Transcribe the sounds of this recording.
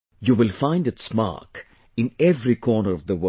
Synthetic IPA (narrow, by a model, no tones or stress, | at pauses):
juʋɪlfãɪ̃nɖɨtsma̰k | ɪ̃nɛvɾikʰɔːnəɾʌvd̪əwə